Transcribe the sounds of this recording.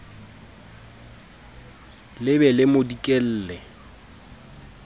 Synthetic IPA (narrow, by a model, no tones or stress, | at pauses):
lɪbɛlɪmodikʼel̩ːlɛ